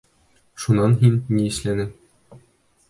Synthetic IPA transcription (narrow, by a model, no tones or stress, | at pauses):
ʃunɑnɦinːiɘ̆ʃlænɘ